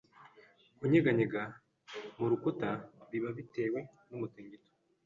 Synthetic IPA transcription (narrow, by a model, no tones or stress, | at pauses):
kuɲeɡaɲeɡa | muɾukutaβiβaβite̞we̞ | numutiːɲɟito̥